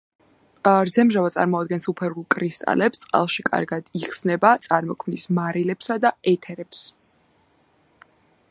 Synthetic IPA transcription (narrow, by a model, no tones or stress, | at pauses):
ɾd̪zɛmʒavat̪sʼa̰ɾmɔad̪̚ɡɛnsupʰɛɾulˠkʼɾist̪ʼa̰lɛpst̪sʼqʼa̰lˠʃikʼa̰ɾɡad̪iχsnɛbat̪sʼaɾmɔkʰmnismaɾilɛpsad̪aɛt̪ʰɛɾɛps